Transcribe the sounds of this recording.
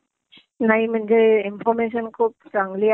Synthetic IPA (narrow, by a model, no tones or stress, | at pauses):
najmɯnd͡ʒɯinpʰɔɾmes̬ɔnkʰup̚zaŋli